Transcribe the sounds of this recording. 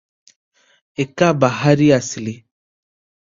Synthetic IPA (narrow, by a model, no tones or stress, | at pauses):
ekabaɦaɾiasile